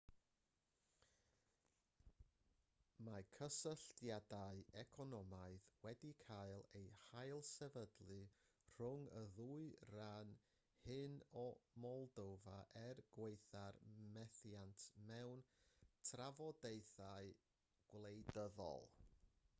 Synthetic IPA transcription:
makʰəsəɬtjadaɨɛkʰɔnɔmaɨðwɛdikʰaɨlˠejhajlˠsɛvədlˠɨ | r̥ʊŋəðuɨran | hɨnɔmɔlˠdowvaʔɛrɡ̥wejθarmɛθjantʰmɛwntʰravɔdeɨθaɨ | ɡ̥wlˠejdəðɔ̰lˠ

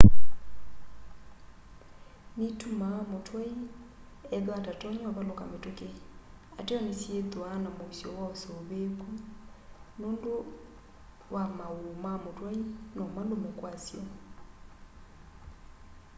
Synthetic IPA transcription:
nitumamotʰwai | ɛðaatatɔɲaβalokametoke | ateɔnesjetoanamosjɔwaosoβeku | noːndo | wamaumamotwainɔmandomɛkwasjɔ

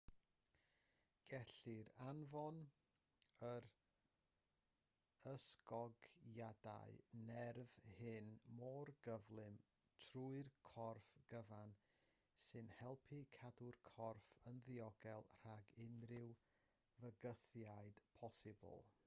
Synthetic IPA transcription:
ɡ̥ɛɬɪɾanvɔn | əɾ | əskɔɡjada̰ɨnɛrvhɪnmɔrɡ̥əvlˠɨm | tʰruɨrkʰɔrfɡ̥əvan | sɨnhɛlˠpʰikʰadʊrkʰɔrfənðɪɔɡɛlˠr̥aɡɪnrɪw | vəɡəθjaɨd̥pʰɔsɪbɔ̰lˠ

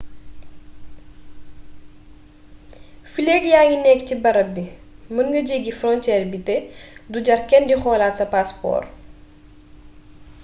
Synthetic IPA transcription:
fileːkjaːŋinɛːkcibɐɾɐbːimənɡɐɟeɡifrɔntɛːrbitɛduɟɐrkɛndixɔːlaːtsɐpaspɔ̰ːr

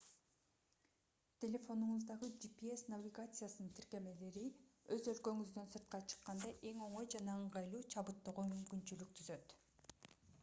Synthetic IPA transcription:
t̪ʲʰe̞lʲe̞fo̞nuɴzd̪ɑʁɯd͡ʒipʲiesnavʲiɡat̪sɨjasɯnɯnt̪ʰiɾke̞me̞le̞ɾiø̞zø̞lkø̞ŋyzd̪ø̞nsɯɾt̪̚qɑt͡ʃʰɯ̥qːɑnd̪ɑʔe̞ŋo̞ɴo̞jd͡ʒɑnɑɯɴʁɑjlˠuːt͡ʃʰɑβɯt̪ːoʁomymkynt͡ʃylyk̚t̪ʰyzø̞t̪

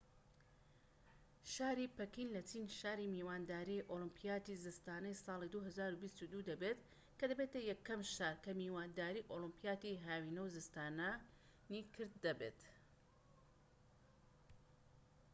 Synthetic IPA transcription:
ʃaːɾipɐkinlɐt͡ʃʰiːnʃaːɾimiːwaːnd̪aːɾiʔolɨmpʰijaːt̪izɨst̪aːnɐjsˤɑːlˠid̪uɦɐzaːɾubist̪ud̪ud̪ɐbet̪ | kɐd̪ɐbet̪ɐjɐkːɐmʃaɾkɐmiːwaːnd̪aːɾiʔolɨmpijaːt̪iɦaːwinɐwzɨst̪aːnɐ | nikʰɨɾd̪ːɐbḛt̪

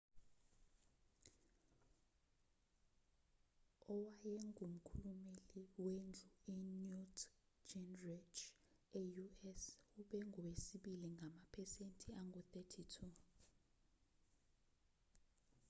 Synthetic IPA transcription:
ɔwajɛŋʱum̩kʰulumeliwend͡ɮʱuinjut | d͡ʒɛnret͡ʃ | ɛjuɛsuɓɛŋʱɔwesiɓiliŋɡʱamapʰɛsentʼʰiaŋɡʱut̪ɛtʰitʰu

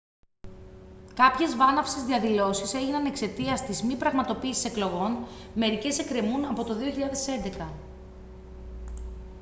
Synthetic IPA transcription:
kɐpçe̞zvɐnɐfsezðiɐðilo̞sise̞ʝinɐne̞kse̞t̪iɐst̪izmipɾɐɣmɐt̪o̞piːsi̥se̞klo̞ɣo̞n | me̞ɾice̞se̞kɾemunɐpo̞t̪o̞ðio̞çiʎɐðe̞se̞nd̪e̞kɐ

